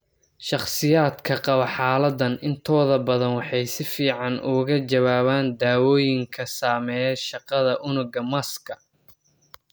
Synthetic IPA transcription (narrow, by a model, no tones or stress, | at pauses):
ʃɑχsɪjaːd̪kʰɐqɑβɐħɑːlɐd̪ɐnʔɪnt̪ʰɔːðɐbɐðɐnwɑħɑjsɪfiːʕɑnʔʊɣɐd͡ʒɐβaːβaːnd̪aːwɔːjɪŋkʰɐsaːmɛjɛʃɑqɑðɐʔʊnʊɡɐmɐskʰɐ